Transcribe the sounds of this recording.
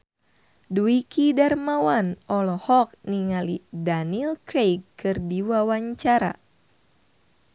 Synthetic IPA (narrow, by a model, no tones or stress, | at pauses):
duikidarmawanʔɔlɔhɔk̚niŋalidanilkɾejkːɨrdiwawaɲt͡ʃaɾa̰